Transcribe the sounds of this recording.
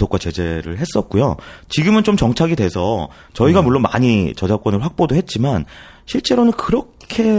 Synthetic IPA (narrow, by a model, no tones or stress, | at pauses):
ok͈wat͡ɕe̞d͡ʑe̞ɾɯɭɦe̞s͈ʌt̚k͈ujo̰t͡ɕiɡɯmɯnt͡ɕomt͡ɕʌŋt͡ɕʰaɡidwesʰʌ | t͡ɕʌiɡamuɭːonma̰ɲit͡ɕʌd͡ʑak͈wʌnɯɭɸwak̚p͈odoɦe̞t̚t͡ɕ͈iman | ɕʰiɭt͡ɕ͈e̞ɾonɯnkɯɾʌkʰe̞